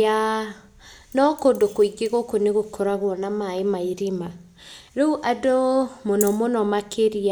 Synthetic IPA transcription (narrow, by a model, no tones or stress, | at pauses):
a | nɔkodokoiɡeɣokoneɣokʰɔɾaɣwɔnamaemaiɾima | ɾouʔadomonɔmonɔmakʰeɾia